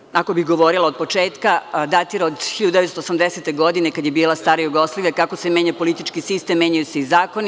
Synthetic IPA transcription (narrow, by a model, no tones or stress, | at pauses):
akobiɦɡo̞ʋo̞ɾilaod̪po̞t͡ʃeːt̪kad̪at̪iɾaod̪xiʎad̪ud̪eet̪t̪osamd̪eset̪e̞ɡo̞d̪inekad̪jebiːlˠast̪aːɾajuɡo̞sliʋjakakosemeɲapo̞lit̪it͡ʃkisist̪emːjeɲajuse̞izaːkoni